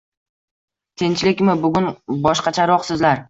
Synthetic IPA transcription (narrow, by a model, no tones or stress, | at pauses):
t̪ʰent͡ʃʰlɪkʲmɪbʊɡʲʊnbɒʃqɑt͡ʃʰaɾɒqsɪzlaɾ